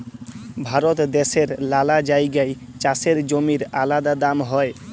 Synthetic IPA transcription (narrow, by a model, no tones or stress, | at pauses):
bʱaɾot̪d̪eʃeɾlalad͡ʑajɡaj | t͡ɕaseɾd͡ʑomiɾalad̪ad̪amɦɔe